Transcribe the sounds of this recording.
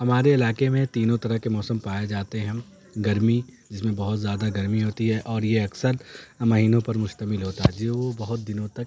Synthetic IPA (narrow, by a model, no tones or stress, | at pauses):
ɦɐmaːɾeɪlaːkemẽt̪iːnõt̪ɐɾəɦkemɔːsəmpaːjed͡ʒaːt̪eɦɛ̃ | ɡɐɾmid͡ʒɪsmẽbɐɦʊt̪zʲjaːd̪aɡɐɾmiɦoːt̪iɦɛːʔɔːɾjeɐksəɾmɐɦiːnõpɐɾmʊʃt̪əmɪlɦoːt̪aɦɛːd͡ʒieʋobɐɦʊt̪̚d̪ɪnõt̪ɐk̚